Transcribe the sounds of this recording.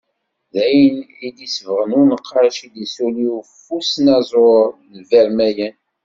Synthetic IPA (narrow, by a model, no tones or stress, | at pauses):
ðæjnid̪isvəʁənunəqʰːɑɾʃid̪əsuliufusnæzˤoɾnvæɾmæjən